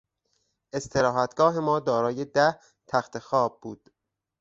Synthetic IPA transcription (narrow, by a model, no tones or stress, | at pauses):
ʔe̞st̪ʰe̞ɾɒːɦæt̪ɡ̥ɒːɦe̞mɒːd̪ɒːɾɒːje̞d̪æh | t̪ʰæxt̪ʰe̞xɒːb̚ːuːd̪̥